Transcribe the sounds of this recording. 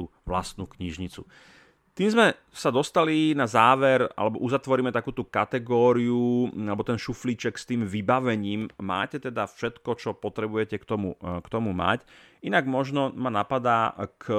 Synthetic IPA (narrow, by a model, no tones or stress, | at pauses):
u | ʋlast̪̚nukɲiʒɲit͡sṵ | t̪iːmzmɛ | sad̪ɔst̪alinazaːʋɛɾa̰lɛbɔʔuzat̪ʋɔɾiːmɛt̪akuːt̪ukat̪ɛɡɔːɾiuualɛbɔt̪ɛnʃufliːt͡ʃɛkst̪iːmʋibaʋɛɲiːmːa̰ːcɛt̪ɛd̪afʃɛt̪kɔt͡ʃɔpɔt̪ɾɛbujɛcɛkt̪ɔmṵkt̪ɔmuma̰cinaɡmɔʒnɔmanapad̪aːk